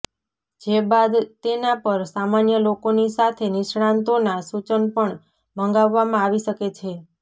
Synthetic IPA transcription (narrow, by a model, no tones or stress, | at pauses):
d͡ʒebad̪t̪enapəɾsamanjəlokonisat̪ʰenɪʃɽãnt̪onasut͡ʃənpəɳ | məŋɡaʋːamãaʋiʃəket͡ʃʰe